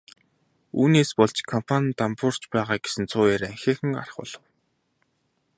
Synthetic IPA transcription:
uːneːspɔɮt͡ɕkʰɔm̥pʰant̪ampʊr̥t͡ɕpæːʁaːɡesɘ̆nt͡sʰʊːjeːɾæŋxʲeːxɘ̆ŋɢa̰rə̥̆χʊ̰ɮ̥ə̆w

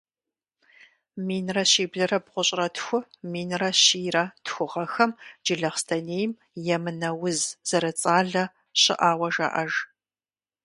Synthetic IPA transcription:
miːnrɐɕiːbɮɐrɐbʁʷʊɕʼrɐtʰxʷʊmiːnrɐɕiːrɐtxʷʊʁɐxɐmd͡ʒɪɮɐχstʰɐneːjm | jɛmɨnɐwʊzz̥ɐɾɐt͡sʼaːɮɐ | ɕɪ̰ʔaːwɐʒa̰ːʔɐʒ

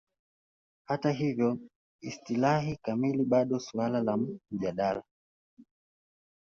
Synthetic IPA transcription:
hataɦivjɔ | istilahikamiliɓaɗɔsualalam̩ʄaɗala

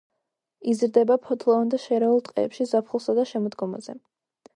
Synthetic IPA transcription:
izɾd̪ɛbapʰɔt̪ʰlˠɔvand̪aʃɛɾɛulˠt̪ʼqʼɛ̰ːpʃizapʰχulˠsad̪aʃɛmɔd̪ɡɔma̰zɛ̰

